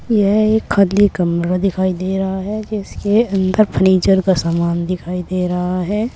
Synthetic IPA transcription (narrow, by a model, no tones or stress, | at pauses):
jɛɦeːkʰːad̪likəmɾad̪ɪkʰaːid̪eːɾɐɦaɦɛd͡ʒɪskeɐ̃nd̪əɾpʰəniːt͡ʃəɾkasaːmaːnd̪ɪkʰaːid̪eːɾɐɦaɦɛː